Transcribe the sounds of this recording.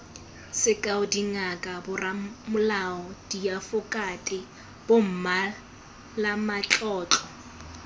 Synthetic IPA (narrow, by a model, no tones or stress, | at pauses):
sɪkʼaʊdiŋakʼabʊramʊlaɔdiafʊkʼatʼɪ | b̥om̩ma | lamat͡ɬʼɔːt͡ɬʼɔ